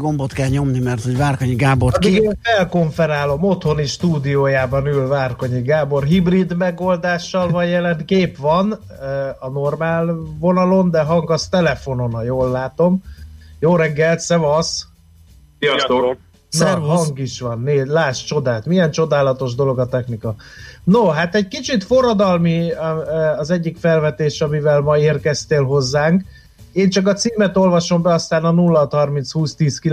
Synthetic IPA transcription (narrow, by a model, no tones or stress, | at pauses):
ɡo̞mbot̪kɛlɲo̞mnimɛrt̪ho̞ɟvaːrkoɲiɡaːborɡefɛlko̞ɱfɛɾaːlo̞mo̞t̪ho̞niʃt̪uːd̪ijoːjaːbɒnylvaːrko̞ɲiɡaːbo̞rɦibrid̪mɛɡo̞ld̪aːʃːɒlvɒɟjɛlɛnkeːpʋɒn | ɒno̞rmaːlvo̞nɒlo̞nd̪ɛɦɒŋɡɒst̪ɛlɛfo̞no̞nɒjoːlːaːt̪o̞mjoːɾɛɡːɛlt̪sɛvɒs | sɛɦɒŋɡiʃʋɒnːeːlaːʃt͡ʃo̞d̪aːt̪mijɛnt͡ʃo̞d̪aːlɒt̪o̞ʒd̪o̞lo̞ɡɒt̪ɛxnikɒnoɦat̪ɛɟ̚kit͡ʃit̪fo̞rːɒd̪ɒlmi | ɒzɛɟːikfɛlvɛt̪eːʃɒmivɛlmɒeːrkɛst̪eːlɦo̞zːaːŋk | eːnt͡ʃɒkɒt̪siːmɛt̪o̞lvɒʃo̞mbɛɒst̪aːnɒnulːɒt̪hɒrminshuːst̪iːskil